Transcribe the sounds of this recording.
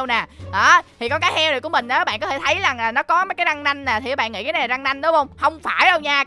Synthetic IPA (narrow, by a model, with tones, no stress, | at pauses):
ə˧wna˨˩ɗɔ˨˦t̪ʰi˨˩kɔ˨˦kaː˨˦jhɛ˧wɾe˨˩ku˧˩əmï˨˩ŋ̟ʔaː˨˦ɓa̰˧˨nkɔ˨˦t̪e˧˩t̪ʰə˨˦jza˨˩ŋlaː˨˩nɔ˨˦kɔ˨˦maː˨˦jkaː˨˦jza˧ŋna˧jŋ̟naː˨˩t̪ʰiː˨˩˨ɓa̰˧˨ŋḭ˧˥kaː˨˦n˨˩a˨˩za˧ŋna˧jŋ̟ɗʊ˨˦hə˧wŋ͡mhə˧wŋ͡mfaː˧˩jɗə˧wɲaː˧